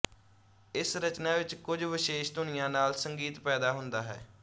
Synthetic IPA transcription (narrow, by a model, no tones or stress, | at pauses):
ɪsɾət͡ʃnaːʋɪt͡ʃkʊd͡ʒʋɪʃeːʃd̪ʊnɪjãːnaːlsəŋɡiːt̪pɛːd̪aːɦʊnd̪aːɦɛ̰ː